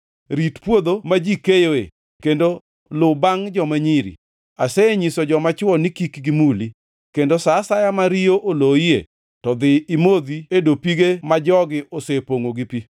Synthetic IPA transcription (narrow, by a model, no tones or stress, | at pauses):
ɾitpwod̪omad͡ʒikejoḛ | kendo | lʊbaŋd͡ʒɔmaɲiɾḭ | aseɲisɔd͡ʒɔmat͡ʃwɔnikikɡimuli | kendosasajamaɾioʔoloiḛ | tɔd̪ɪːmod̪iedopiɡemad͡ʒɔɡɪʔosepoŋoɡipi